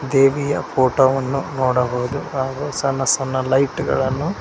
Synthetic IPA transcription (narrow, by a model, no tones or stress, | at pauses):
d̪eːʋijɐ̰pʰoːʈoːʋɐnːunoːɽɐɦoːd̪uhaːɡusɐnːɐsɐnːɐlɐjʈɡɐ̰ɭɐnːu